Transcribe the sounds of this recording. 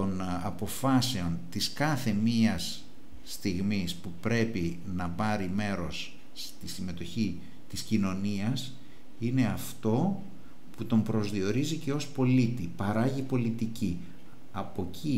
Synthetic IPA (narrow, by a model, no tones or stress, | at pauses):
t̪o̞nɐ̰po̞fɐse̞o̞nt̪iskɐθe̞miɐsː | t̪iɣmispupɾe̞pi | nɐpɐɾime̞ɾo̞s | t̪isime̞t̪oçi | t̪iscino̞niɐs | ine̞ɐft̪o̞ | put̪o̞mpɾo̞zðio̞ɾizice̞o̞spo̞lit̪ipɐɾɐʝipo̞lit̪ici | ɐpo̞cʰi